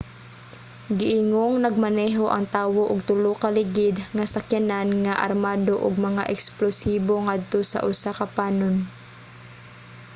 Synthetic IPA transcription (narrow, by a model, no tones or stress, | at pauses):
ɡɪʔɪŋoŋnɐɡ̚manɛːɦoʔɐŋt̪aːwoʔʊɡ̚t̪ʊlokalɪɡɪd̪ŋasakjananŋaʔa̰ɾmaːd̪oʔʊɡ̚mɐŋa̰ʔɛksplosiːboŋad̪̚t̪osa̰ʔʊsakɐpaːnon